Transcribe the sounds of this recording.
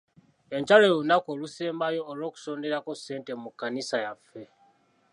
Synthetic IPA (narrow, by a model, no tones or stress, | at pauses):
e̞ɲt͡ʃaleunakoːluseːmbajo̞ːlo̞ːku̥so̞ːnde̞ɾakosːe̞ːnte̞mukːanisajafːe̞